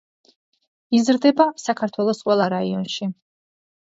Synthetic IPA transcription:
izɾd̪ɛbasakʰaɾt̪ʰwɛlˠɔsqʼwɛlˠaɾaiɔnʃi

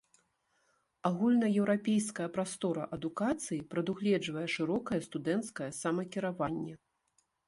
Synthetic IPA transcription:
aɣulʲnɐjɛwɾapʲejskɐjɐpɾast̪ɔɾɐʔɐd̪ukat̪sɨjipɾɐd̪uɣlʲɛd͡ʐvɐjɛʂɨɾɔkɐjɐst̪ud̪ɛnt̪skɐjɐsamɐkʲiɾavanʲːɛ

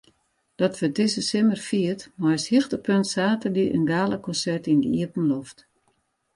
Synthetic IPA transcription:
d̥ɔtʋətɪsəsɪmərfiətmɔjshixtəpøntsaːtədiʔə̰nɡaːləkʰɔnsɛrtindəḭəpn̩lɔft

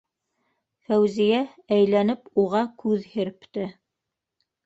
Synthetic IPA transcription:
fæwzijæ | æjlænɘpuʁɑkʉðhɘ̆ɾpt̪ɘ

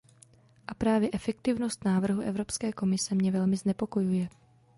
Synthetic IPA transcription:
ʔapɾaːvjɛʔɛfɛkt̪ɪvno̞st̪naːvr̩ɦuʔɛ̰vɾo̞pskɛːko̞mɪsɛmɲɛvɛlmɪznɛpo̞ko̞jujɛ

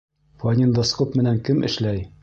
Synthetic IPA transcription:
fɒnʲind̪osqopmɘ̆næŋkɘmʔɘ̰̆ʃlæj

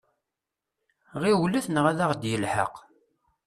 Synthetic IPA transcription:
ʁiwliθnəʁæðæʁd̪jəlħə̰q

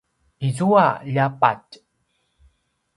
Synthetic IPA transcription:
izuaʎapa̰t

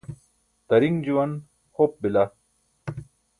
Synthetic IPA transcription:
t̪ɐɾiŋd͡ʑuwɐn | hop̚bila

